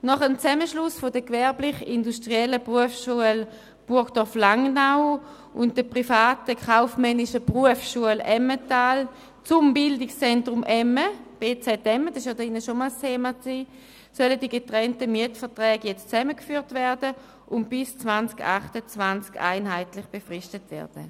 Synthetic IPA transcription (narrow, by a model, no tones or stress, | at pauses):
nɔχəmt͡sɛməʃlʊsfodəkvɛɐblɪχindustʁiɛləpʁuəfsʃuəl | b̥uɐkd̥ɔɐflaŋnaʊ | ʔʊntd̥əpʁifaːtəkχaʊfmɛniʃəpʁuəfʃuəlɛmətaːl | t͡sʊmbɪldɪkst͡sɛntʁʊmʔɛməb̥eːt͡sɛtɛmədɑsɪʃjɔdɪnːəʃomɔlstʰeːmat͡siː | sœlədiəɡetʁɛntəmiətfɛɐtʁɛːɡjɛt͡st͡sɛməkfyːɐtvɛɐdə | ʔʊntb̥ɪst͡svant͡skaχtət͡svant͡ska̰ɪnɦaɪtlɪχb̥efʁiʃtətvɛ̰ɐd̥ə̰